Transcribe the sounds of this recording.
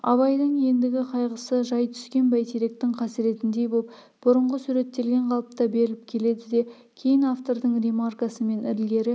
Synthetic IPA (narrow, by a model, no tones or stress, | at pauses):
ɑ̰βɑjd̪əɴje̞nd̪ɪɡʲɪqʰɑjʁəsəʒɑjt̪ʰʏ̥skʲe̞nbæjt̪ʰiɾek̚t̪ɪŋqʰɑsɪɾe̞t̪ɪnd̪e̞jbop | b̥ʊɾəɴʁəsuɾe̞t̪ːe̞lɡʲe̞ɴqʰɑlˠəp̚t̪ɑbe̞ɾɪlɪp̚kʲʰe̞le̞d̪ɪd̪e̞ | kʲʰe̞jɪnaft̪o̞ɾd̪əɴremarkasəme̞nɪɾɪlɡʲe̞ɾɪ